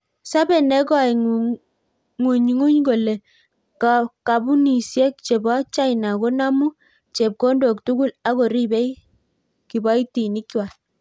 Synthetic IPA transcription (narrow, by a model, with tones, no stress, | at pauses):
sa˦bɛ˨nɛ˦kɔ˦˨jŋ | ŋu˨ɲŋu˦ɲɡo˨lɛ˨ | kka˨bu˦ni˨sjɛ˦k̚t͡ʃɛ˨ba˦t͡ʃa˦jna˨ɡo˦na˦mu˦ | t͡ʃɛ˨p̚ko˦ndo˨k̚tu˦ɡu˦la˦ɣɔ˨ɾi˦bɛ˦i | ki˨ba˦i˦ti˨ni˦kːi˦wa˨